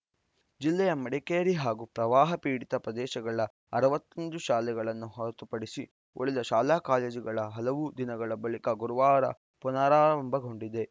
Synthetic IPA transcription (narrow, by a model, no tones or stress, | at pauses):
d͡ʒilːɛjɐmɐɽɛkeːɾiɦaːɡupɾɐʋaːɦɐpiːɽit̪ɐpɾɐd̪ɛːʃɐɡɐɭɐ | ɐɾɐʋɐt̪ːond̪uʃaːlɛɡɐɭɐnːuɦɔɾɐt̪upɐɽisi | ʔoɭid̪ɐʃaːlaːkaːleːd͡ʒiɡɐɭɐɦɐlɐʋud̪inɐɡɐɭɐbɐɭikɐɡuɾuʋaːɾɐ̰ | punaːɾaːɾɐmbɐɡʱo̞ɳɖid̪e̞